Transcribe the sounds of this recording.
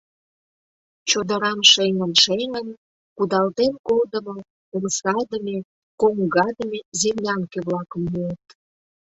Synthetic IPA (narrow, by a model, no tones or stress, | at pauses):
t͡ɕod̪əɾɑmʃeŋənʃeŋən | kud̪ɑlt̪enkold̪ə̆mo | omsɑd̪əme | koŋɡɑd̪əmezemnʲɑŋkeβlɑkə̆mluət̪̚